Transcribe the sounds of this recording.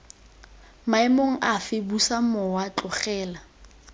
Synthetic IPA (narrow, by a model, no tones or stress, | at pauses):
maɪmoŋ̩ʔafɪbusamɔwat͡ɬʊχɛːla